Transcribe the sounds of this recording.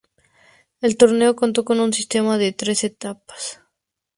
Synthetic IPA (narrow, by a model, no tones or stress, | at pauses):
e̞lt̪o̞ɾne̞o̞ko̞nt̪̬o̞ko̞nunsist̪e̞maðet̪ɾe̞se̞t̪apḁs